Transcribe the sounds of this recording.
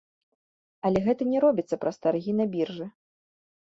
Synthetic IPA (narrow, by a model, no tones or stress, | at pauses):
ɐlʲɛɣɛt̪ɐnʲɛɾɔbʲit̪sːɐpɾɐst̪arɣʲinɐbʲirʐɨ